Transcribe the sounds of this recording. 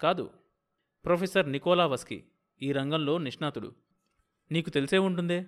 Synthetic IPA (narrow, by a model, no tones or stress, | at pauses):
kaːd̪ṵ | pɾoːpʰesɐɾnikɔːlaːʋɐskḭ | iːɾɐŋɡɐmlo̞ːniʂɳaːt̪uɽṵ | niːkut̪elise̞ːuɳʈund̪eː